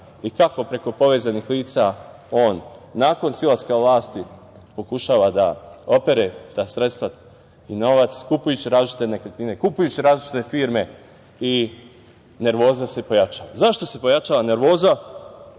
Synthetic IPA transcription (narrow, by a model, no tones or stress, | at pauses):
ikako̞pɾe̞ko̞po̞ʋeːzanixliːt̪sa | o̞ːnːaːko̞nsilaskaʋlˠaːst̪i | po̞kuʃaːʋad̪ao̞pe̞ɾet̪asɾet̪st̪ʋa | ino̞ʋat̪skupujut͡ɕiɾaːzlit͡ʃi̥t̪enekɾet̪ninekupujut͡ɕiɾaːzlit͡ʃi̥t̪e̞fiːɾme̞ | i | ne̞ɾʋo̞ːzasepo̞jat͡ʃaːʋazaʃt̪o̞se̞po̞jat͡ʃaːʋane̞ɾʋo̞ːza